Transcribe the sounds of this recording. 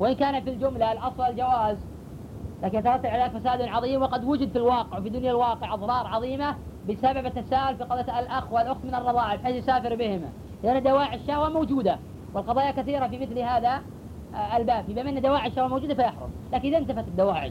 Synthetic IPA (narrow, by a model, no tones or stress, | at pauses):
wɪʔɪnkaːnat̪fild͡ʒʊmlalʔɑsˤwɑld͡ʒawaːz | laːkɪnʔat̪ɑɾˤɑt̪ːabʕalːakfasaːd̪nʕɑðˤiːmwɪqɑd̪wʊd͡ʒɪd̪filwɑːqɪʕwfid̪ʊnjalwɑːqɪʕʔɑðˤɾˤɑːɾˤʕɑðˤiːmabɪsababat̪ːasaːʔʊlfiqɑðˤjalʔaxwalʔʊxt̪mɪnɨrˤːɑðˤɑːʕɪfʔeːʃsaːfɪɾbɪhɪma̰ | lɪʔanːad̪awaːʕaʃːaːhwamowd͡ʒuːd̪a | wɪlqɑðˤɑːjakaθiːɾafimɪθlhaːða | lbaːbjɪbamɪnːad̪awaːʕaʃːaːhwamowd͡ʒuːd̪afajaħɾˤʊ̰mlaːkɪnʔɪðaɪnt̪afat̪ɪd̪ːawaːʕɪ̰